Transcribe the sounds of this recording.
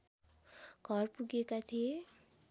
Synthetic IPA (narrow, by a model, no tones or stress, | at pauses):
ɡʱʌrpuɡekat̪ʰie